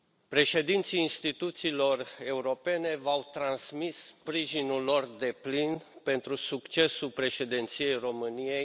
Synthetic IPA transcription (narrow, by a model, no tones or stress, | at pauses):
pɾe̞ʃe̞d̪int̪siːnst̪it̪ut̪siːlo̞re̞uɾo̞pe̞ne̞vawt̪ɾansmisːpɾiʒinulːo̞rd̪e̞plinpe̞nt̪ɾusukt͡ʃe̞sulpɾe̞ʃe̞d̪ent̪sije̞jro̞mɨnije̞j